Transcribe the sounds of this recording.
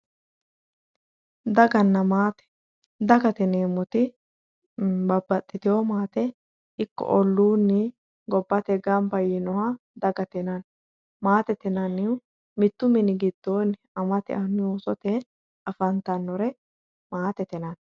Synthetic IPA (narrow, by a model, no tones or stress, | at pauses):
d̪ɐɡɐnːɐmaːt̪ɛ̥ | d̪ɐɡɐt̪ɪneːmʊt̪ɪ | bɐbːɐt̪ʼːɪt̪ɪwomaːt̪ɛ | ɪkːɔ̰ʔɔlːuːnːɪ | ɡɔbːɐt̪ɛɡɐmbɐjɪnɔwɐ | d̪ɐɡɐt̪ɪnɐn | maːt̪ɛt̪ɪnɐnɪw | mɪt̪ːʊmɪnɪɡɪd̪ːoːn | ɐmɐt̪ɛ̰ʔɐnʊjoːsɔt̪ɛ | ɐfɐnt̪ɐnːɔɾɛ | maːt̪ɛt̪ɪnɐn